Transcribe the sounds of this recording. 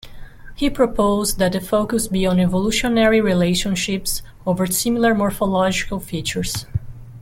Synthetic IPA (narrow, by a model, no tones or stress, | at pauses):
hipʰɹopʰoʊzðæt̪̚əfoʊkusbiɔ̃nɛvoluʃɔnɛɹiɹileɪʃə̃nʃɪps | ovəɹsɪ̃mɪlˠəɹmɔɹfɔlɔd͡ʒɪkəlˠfit͡ʃəɹs